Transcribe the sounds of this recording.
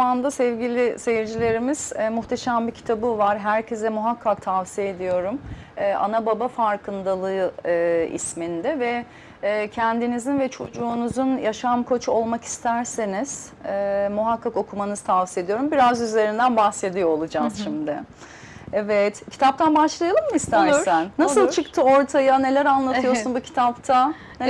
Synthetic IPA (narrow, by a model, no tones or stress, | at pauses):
and̪asɛvɟilʲɪseviɾd͡ʒilʲe̞ɾimiz̥muxt̪ʰeʃæmbicʰi̥t̪ʰabɯvaɾɦæɾcʰezd̪ɛmuɦakʰːak̚t̪ʰavsijeed̪ijo̞ɾum | ɛːʔa̰nababafaɾkʰɯnd̪alˠɯɯɯːḭsmind̪ɛvɛ | cʰɛnd̪inizinvɛt͡ʃʰo̞d͡ʒuːnuzunjaʃamkʰo̞t͡ʃʰuo̞lˠmaki̥st̪ʰæɾseniz̥ | ɛmuɦakʰːako̞kʰumanɯzt̪ʰavsie̞d̪ijo̞ɾumbiɾazyze̞ɾind̪ænbaxse̞d̪ijoolˠud͡ʒaz̥ʃimd̪ɪ | evɛt̪cʰi̥t̪ʰap̚t̪ʰanbaʃlˠajalˠɯmmɯist̪ʰæɾænːassɯlˠt͡ʃʰɯkt̪ʰɯo̞ɾt̪ʰajane̞lʲæɾanlˠat̪ʰɯjo̞ɾsunbucʰi̥t̪ʰapt̪ʰa | n